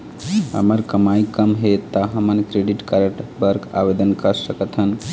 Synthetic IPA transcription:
ɦə̰məɾkəmaikəmɦet̪ːəɦəmənkɾeɖiʈkəɾəʈbəɾka̰bed̪ənkəɾsəkət̪ʰən

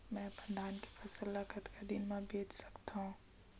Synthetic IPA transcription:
mɛ̃ːbə̃nd̪ʱaːnke̥fʰɐsəlːakət̪kad̪ɪnmẽbeːt͡ʃsɐ̥kt̪aɦũː

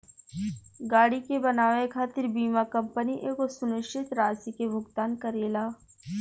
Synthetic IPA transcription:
ɡaːɽikebɐnaːʋekʰaːt̪ɪɾbiːmakɐ̃mpəniʔeːkosʊnɪʃɪt̪ɾaːsikemʊɡt̪aːnkəɾeːlaː

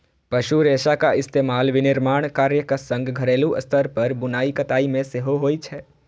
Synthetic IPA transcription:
pɐʃuɾeːʃakaɪst̪eːmaːlʋɪnɪɾmaːɳ̃kaːɾjəkasə̃ŋɡɡʱɐɾeːluʔɐ̰st̪ʰəɾpɐɾbʊnaːikɐt̪aːimẽseɦoɦoːit͡ʃʰɛː

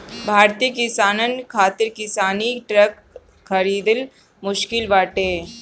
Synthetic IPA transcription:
bʱaːɾt̪iəkɪsaːnənkʰaːt̪ɪɾkɪsaːniʈɾək | xɐɾiːd̪ɪl | mʊʃkɪlʋaːʈeː

